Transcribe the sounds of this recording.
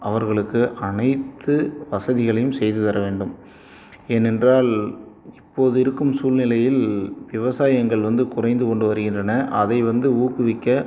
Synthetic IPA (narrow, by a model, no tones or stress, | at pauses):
ʔɐʋɐɾɣɐɭɯkːɯʔɐnɐɪt̪ːɯʋɐsɐðɪɣɐɭɐjɯmsɛjðɯt̪ɐɾɐʋeːɳɖɯm | eːnɛndraːl | ɪpːoːðɯɪɾɯkːɯmsuːlnɪlɐjɪlʋɪʋɐsaːjɐŋɡɐɭʋɐnd̪ɯkʊrɐɪnd̪ɯkɔɳɖɯʋɐɾɯɣɪndrɐnɐʔɐðɐɪʋɐnd̪ɯuːkːɯʋɪkːɐ